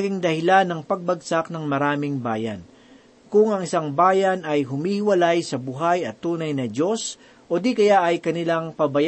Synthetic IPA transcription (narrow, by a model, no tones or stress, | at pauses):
ɡɪŋd̪ɐhɪlanːɐŋpɐɡ̚bɐɡsak̚nɐŋmɐɾaːmɪŋbaːjɐ̰n | kʊŋɐŋʔɪsaŋbaːjɐnɐjɦʊmiːhɪwɐlajsɐbʊɦajɐt̪ːuːnɐjnɐd͡ʒo̞s | ʔo̞d̪ikɐjaʔɐjkɐnɪlaŋpɐbɐj